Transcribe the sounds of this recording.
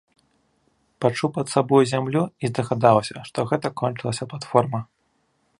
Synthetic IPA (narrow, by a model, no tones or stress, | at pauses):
pat͡ʂupɐt̪sabɔjuzʲamlʲuizd̪ɐɣad̪awsʲɐʂt̪ɔɣɛt̪ɐkɔnt͡ʂɨlˠɐsʲɐplˠat̪fɔrmɐ